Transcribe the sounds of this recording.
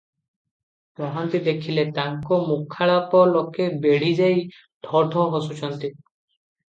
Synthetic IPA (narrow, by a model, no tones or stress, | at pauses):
bɔɦɔnt̪id̪ekʰilet̪aŋkumukʰːaɭapɔlokebeɽ̤id͡ʒaj | d̪ʱɔʈɔɦosut͡ʃʰɔnt̪i